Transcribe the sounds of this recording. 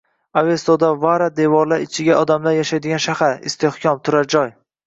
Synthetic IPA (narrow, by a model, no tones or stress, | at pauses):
avest̪od̪avaɾad̪evɒɾlaɾɪt͡ʃʰɪɡʲaʔɒd̪amlaɾjaʃajd̪ɪɡʲanʃahaɾɪ̰st̪ʰehkʲʰɒmt̪ʰʊɾad͡ʒɒj